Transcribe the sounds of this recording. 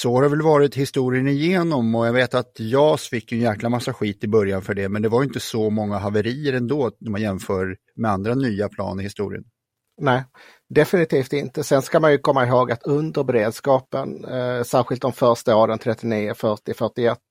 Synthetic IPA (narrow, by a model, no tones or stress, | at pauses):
sɔhaɾaɾvɛlvɑːɾɪt̪hɪst̪uːɾɪənɪjeːnɔmɔjaɡveːt̪at̪jɑːsfɪkːɵnjæːklamasːaɧiːt̪ɪbœɾjanfœɖɛmɛnd̪ɛvaɾjʏɪnt̪əsɔmɔŋːaɦavəɾiːəɾɛnd̪oːd̪ɔmajɛmfœːɾ | mɛand̪ɾanyːapʰlɑ̰ːnɪɾhɪst̪ṵːɾɪ̰ə̰n | nɛː | d̪ɛfɪnɪt̪ʰiːft̪ɪnt̪əsɛnskamanjɵkʰɔmːaɪɦoːɡat̪ɵnd̪əɾbɛɾeːd̪skɑːpənsæːɾɧɪlt̪dɔmfœɾʂʈəɑːd̪ɛnt̪ʰɾɛt̪ːɪniːəfœʈɪfœʈɪɛt̪ː